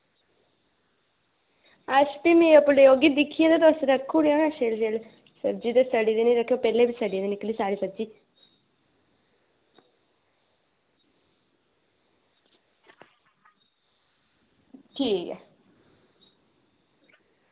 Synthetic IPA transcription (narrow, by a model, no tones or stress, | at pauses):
əʃpiːmẽːəpʊlejoːɡid̪ɪkʰːijẽd̪et̪̬oəsɾəkʰːuɽiaːnãʃeːlʃeːl | səɾd͡ʒiːt̪est̪əɽiːd̪enĩːɾəkʰːjoːpɛːleːbisəɖid̪enɪkliːsaːɾiːsəd͡ʒiː | ʈʰiːkɛ̰ː